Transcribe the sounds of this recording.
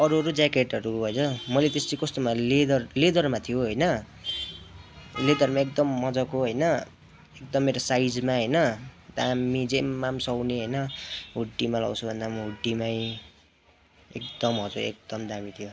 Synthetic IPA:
ʌɾuɦʌɾud͡zakeʈʌɾuɦʌjd͡zʌmʌlet̪est̪ikʌst̪omaled̪ʌrled̪ʌrmat̪ʰijoɦʌjnʌ | led̪ʌrmaekd̪ʌmːʌd͡zʌkoɦʌjnʌ | ekd̪ʌmːeɾosajd͡zmaɦʌjnʌd̪amid͡zemːamsʌwneɦʌjnʌɦuʈːimalʌ̰wt͡sʰubʱʌnd̪amuɦuʈːimaj | ḛkd̪ʌmɦʌd͡zoḛk̚d̪̥ʌmd̪amit̪ʰijo

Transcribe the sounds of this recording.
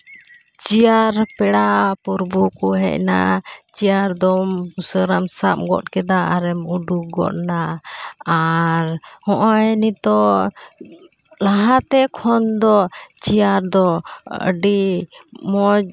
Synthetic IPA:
t͡ʃijaɾpɛɽapuɾbukɔɦɛ̰ʔ̚na̰ʔt͡ʃijaɾd̪ɔmusəɾamsa̰p̚ɡɔ̰ʔ̪̚kɛd̪aaɾɛmuɖuɡɔ̰ʔ̚naː | ɾhɔ̃ʔɔɛnit̪ɔ | laɦat̪ɛkʰɔnd̪ɔt͡ʃijaɾd̪ɔə̰ɖi | mɔd͡ʒ

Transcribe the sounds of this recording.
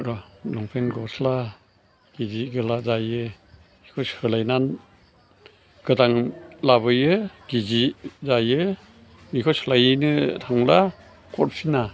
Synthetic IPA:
ɾɔlɔŋpʰenɡɔsla | ɡ̥iziɡɯlazajɯ | ikʰɔshɯlajnan | ɡ̥ɯdaŋlaβɯjɯɡ̥izizajɯ | mikʰɔshɯlajɯnɯtʰaŋla | kʰɔɾ̚sʰina

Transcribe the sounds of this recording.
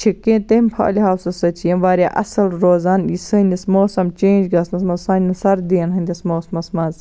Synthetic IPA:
t͡ʃʰikẽːnt̪emʲpʰa̰ːlʲiɦaːwsɐsɐt͡ʃʰijɐmʋaːɾʲaʔɐsɐlɾoːzaːnisɨnʲd̪ʲɐsmoːsɐmt͡ʃeːnd͡ʒɡɐsnɐsmɐzsɐːnʲnɐsɐɾd̪iːnɦɐnʲd̪ʲɐsmoːsmɐsmɐz

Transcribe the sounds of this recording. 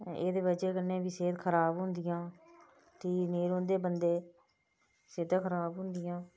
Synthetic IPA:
ḛːd̪eːbəd͡ʒeːkəɾnẽːbiːseːt̪kʰəɾaːbɦʊ̃nd̪ɪjãː | t̪iːneːɾoːnd̪eːbənd̪eː | seːd̪ãːkʰəɾaːbɦʊ̃nd̪ɪjãː

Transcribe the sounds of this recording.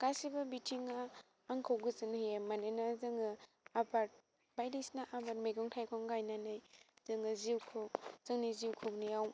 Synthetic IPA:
kasibabitʰiŋaː | ŋkʰawɡɯzɯnjemanɯnazɯŋɯ | abaɾt̚ | bajdisnaʔabat̚meɡɔŋtʰajkʰɔŋɡajnanɯjz̥ɯŋɯziwkʰokz̥ɯŋniziwkʰɔknijaw

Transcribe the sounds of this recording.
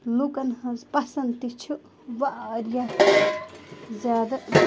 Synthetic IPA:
lukɐnhɐ̃zpɐsɐnt̪it͡ʃʰu | ʋaʔɾja | zʲjaːd̪ɐ

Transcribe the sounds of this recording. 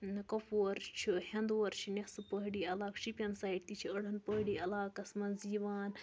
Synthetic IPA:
kɐpuɾt͡ʃʰihɐnd̪wɐɾt͡ʃʰinʲesɨpəɦɽiɐlaːkʃipʲɐnsaːiʈ̚t̪it͡ʃʰiɐɽɐnpəɦɽiɐlaːkɐsmɐnziːʋaːn

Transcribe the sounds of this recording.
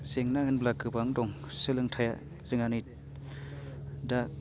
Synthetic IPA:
seŋnaɯnblakɯbaŋdɔŋsɯlɯŋtʰaja̰ | zɯŋani | da

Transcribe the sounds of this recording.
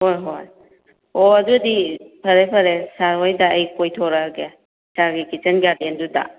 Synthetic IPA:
hojɦoj | oɐdudipʰɐɾepʰɐɾesaɾɦojdɐːjkojtʰɔɾɐɡe | saɾɡikit͡ʃɐnɡadendudɐ̰

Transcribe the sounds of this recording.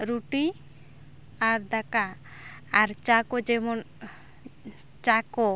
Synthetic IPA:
ɾuʈi | aɾd̪akaː | ɾt͡ʃakod͡ʒɛmon | t͡ʃako

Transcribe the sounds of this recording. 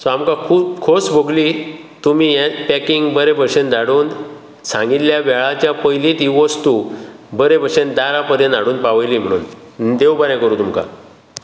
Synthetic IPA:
soamkãkʰuːpkʰosbʱoɡliː | t̪umiːjɛpɛkiŋɡbəɾebʱəɕend̪aɽuːn | sãŋɡit̪ljaʋɛɭat͡ɕjapəjlit̪iʋəst̪ubəɾebʱəɾʂend̪aɾapəd̪ẽnaɽuːnpaʋəjliːm̤əɽ̃ṵːn | d̪ewbəɾjɛ̃kəɾuːt̪umka̰

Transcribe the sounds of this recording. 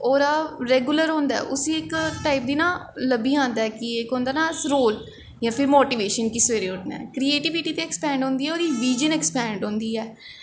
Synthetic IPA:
oːɾaːɾɛːɡʊləɾɦõːnd̪a̰ːʔʊsiːɪkʈaːɪp̚d̪iːnãːləbiːãːnd̪aɛkɪekɦõːnd̪aːnaːsɾoːl | jãːpʰɪɾmoːʈiːʋeːʃənkisʋeːɾeːʊna̰ːkɾiːeːʈɪʋiʈiːt̪eːɛːkspɛ̃ːɳɖõːnd̪iːɛːoːɾiːʋiːd͡ʒənɛkspɛ̃ːɳɖõːnd̪iːɛː

